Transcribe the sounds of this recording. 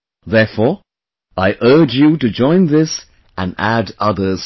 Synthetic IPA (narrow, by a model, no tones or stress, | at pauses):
ðɛɹfɔ | aɪʔɜ˞d͡ʒjɨɾɨd͡ʒɔ̃ɪ̃nðɪs | ə̰̃nædʌðə˞z̥